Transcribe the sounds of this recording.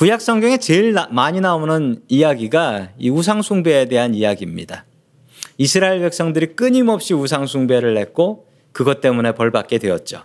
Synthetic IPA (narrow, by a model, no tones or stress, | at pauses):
pujak̚s͈ʌŋɡjʌŋe̞t͡ɕeɭmaɲinaonɯnijaɡiɡaiusʰaŋsʰuŋbe̞ːde̞ɦanijaɡimɲḭda | isʰɯɾaiɭbek̚s͈ʌŋdɯɾik͈ɯɲimʌp̚ɕ͈iusʰaŋsʰuŋbe̞ɾɯɭhe̞k̚k͈o | kɯɡʌt͈e̞mune̞pʌɭbak̚k͈e̞dwe̞jʌ̰t̚t͡ɕ͈o̰